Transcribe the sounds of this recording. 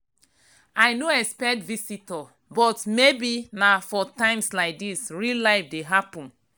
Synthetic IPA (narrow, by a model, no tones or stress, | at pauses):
aɪnoɛkspɛk̚tvisitɔ | bɔtmebinafɔtãɪ̃mslaɪk̚disɹilaɪfdeɦapɔ̃n